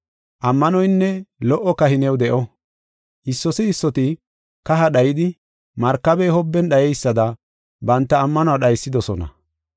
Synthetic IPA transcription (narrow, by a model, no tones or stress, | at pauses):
ʔɐmːɐnɔjnːɛlɔʔːɔkɐhɪnɛwd̪ɛʔɔ | ʔɪsːɔsɪɪsːɔt̪ɪ | kɐɦɐɗɐjɪd̪ɪ | mɐɾkːɐbɛhɔbːɛnɗɐjɛjsːɐd̪ɐ | bɐnt̪ːɐːmːɐnʊaɗɐjsːɪd̪ɔsɔnɐ̰